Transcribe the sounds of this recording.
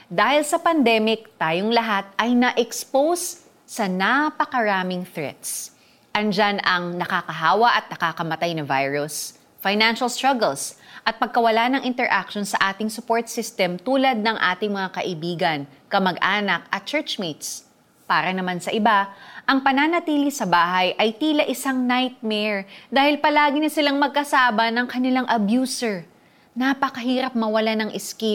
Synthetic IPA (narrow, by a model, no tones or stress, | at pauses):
d̪aːhɪlsɐpɐnd̪ɛmɪk̚t̪aːjoŋlɐɦat̪̚ɐjnɐʔɛkspowsː | ɐnapɐkɐɾaːmɪŋθɹɛ̰t̪s | ʔɐnd͡ʒanɐŋnɐkakɐɦaːwɐʔɐt̪̚nɐkakɐmɐt̪ajnɐvajɹʊs | fajnanʃɐlst̪ɹaɡɛlsʔɐt̪̚pɐɡ̚kɐwɐlanɐŋʔɪnt̪ɛɹʔakʃonsɐʔaːt̪ɪŋsʊpoɹt̪̚sɪst̪ɛmt̪uːlɐd̪̚nɐŋʔaːt̪ɪŋmɐŋakɐʔɪbiːɡɐn | kɐmɐɡʔaːnɐk̚ʔɐt̪̚t͡ʃɛɹt͡ʃmit̪s | paːɾɐnɐmansɐʔɪbaʔɐŋpɐnaːnɐt̪iːlɪsɐbaːɦɐjʔɐjt̪iːlɐʔɪsaŋnajt̪̚mɛɹd̪aːhɪlpɐlaːɡɪnɐsɪlaŋmɐɡ̚kɐsaːbɐnɐŋkɐnɪlaŋʔɐbjuːsɛɹ | napɐkɐɦiːɾɐp̚mɐwɐlanɐŋʔɪski